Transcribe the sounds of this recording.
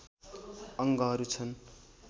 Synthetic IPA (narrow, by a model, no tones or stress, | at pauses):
ʌŋɡʌɦʌɾut͡sʰʌn